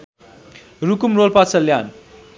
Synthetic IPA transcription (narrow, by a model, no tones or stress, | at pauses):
rukumrolpat͡sʌljan